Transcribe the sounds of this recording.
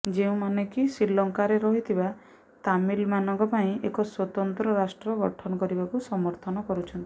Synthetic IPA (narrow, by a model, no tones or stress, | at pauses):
d͡ʒeũmanekisilɔŋkaɾeɾɔɦit̪ʰiba | t̪amilmanɔŋkɔpaĩekɔswɔt̪ɔnt̪ɾɔɾasʈɾɔɡɔʈʰɔnɔkɔɾibakusɔmɔɾt̪ʰɔnɔkɔɾut͡ʃʰɔnt̪i̥